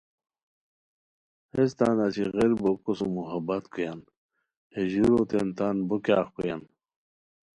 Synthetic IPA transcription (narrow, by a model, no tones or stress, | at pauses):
es̬t̪anat͡ɕʰiɣeɾbokosumuɦabat̪kujan | heʑuɾot̪ent̪anbukaːxkujan